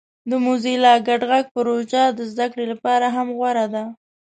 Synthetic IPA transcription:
d̪əmuzilɑɡaɖɣaɡ̚pəɾod͡ʒad̪əzd̪akɽelapɑɾaɦamɣwaɾad̪a

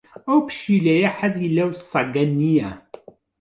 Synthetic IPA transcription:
æwpʃilæjæħazjilːæwsˤɑɡænːijæ

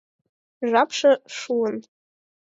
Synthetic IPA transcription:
ʒʷapʰʂaʂuwən

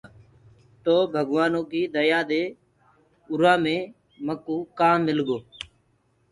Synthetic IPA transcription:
t̪oːbʱəɡʋaːnõːkiːd̪əjaːd̪eː | ʊɾãːmẽː | məkuːkaːmːɪlɡoː

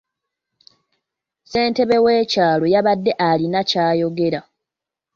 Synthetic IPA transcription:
se̞ːnte̞βe̞we̞ːcaːlo̞jaβadːe̞ʔalinacaːjo̞ɡe̞ɾa

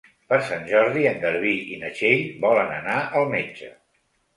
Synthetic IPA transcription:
pəɾsanʲʒɔɾðiəŋɡəɾβiinət͡ʃeʎbɔlənə̰naəlˠmed͡ʒə̰

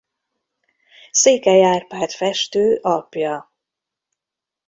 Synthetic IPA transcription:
seːkɛjaːrpaːt̪fɛʃt̪øːʔɒpjɒ

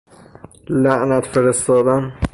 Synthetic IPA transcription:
læʔnæt̪feɾest̪ɒːd̪æn

